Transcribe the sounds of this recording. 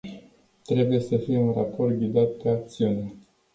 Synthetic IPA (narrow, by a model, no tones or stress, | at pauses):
t̪ɾe̞buje̞səfijeunrapo̞rt̪̚ɡʲid̪at̪̚pe̞ak̚t̪siune